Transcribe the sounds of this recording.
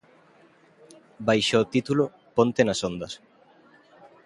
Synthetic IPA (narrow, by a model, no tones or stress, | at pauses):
bajʃoːt̪it̪ulo | pont̪enasond̪ɐs